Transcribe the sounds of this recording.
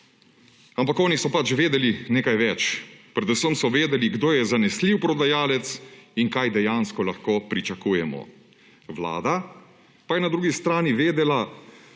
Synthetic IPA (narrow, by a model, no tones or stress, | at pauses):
ampakɔːnisɔpat͡ʃʋeːd̪ɛlineːkajʋɛt͡ʃpɾɛd̪usəmsɔʋeːd̪ɛliɡd̪oːjɛzanɛsliwpɾɔd̪ajaːlɛt̪siŋkajd̪ɛjaːnskɔlaxkoːpɾit͡ʃakuːjɛmɔ̰ | ʋla̰ːd̪a | pajɛnad̪ɾuːɡist̪ɾaːniʋeːd̪ɛla